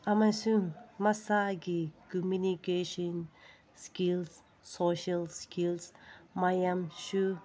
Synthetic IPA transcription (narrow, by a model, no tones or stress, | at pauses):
amasuŋmasaɡikumunikeʃɔn | skils | soʃalskilsmajamʃu